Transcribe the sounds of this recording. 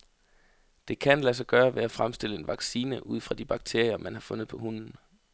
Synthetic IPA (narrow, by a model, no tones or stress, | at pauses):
d̥e̝kʰænlæs̬ɐɡ̥ɶːɐʋe̝æfʁamsd̥e̝l̰əe̝nʋɑ̈ɡ̥siːnəʔuð̞̰ˠfʁɑ̈d̥ib̥ɑ̈ɡ̥̚t͡sʰe̝ɐ̰jɐmænhɑ̈fɔ̽nð̩ˠpʰɒ̽hun̰n̩